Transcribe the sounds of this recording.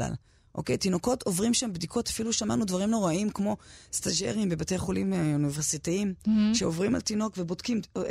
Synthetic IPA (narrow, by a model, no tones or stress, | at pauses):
a̰l | ʔo̞̰kejtino̞ko̞tʰo̞vʁimʃambdikʰo̞tafiluʃama̰nudvaʁimno̞ʁaimkmo̞staʒḛʁimbebate̞jχolimuniveʁsitiimʃeovʁima̰ltino̞kvebodkim